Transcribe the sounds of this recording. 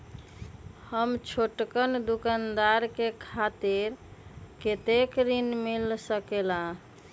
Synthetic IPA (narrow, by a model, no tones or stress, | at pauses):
həmt͡ʃʰoʈkənd̪ukand̪aɾkekʰat̪iɾket̪ekɾinmilsəkelã